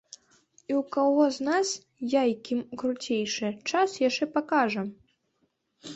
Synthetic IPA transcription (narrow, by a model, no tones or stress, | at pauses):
iwkaɣɔznas | jajkʲimkɾut͡sʲejʂɨt͡ʂasjaʂt͡ʂɛpakaʐɐ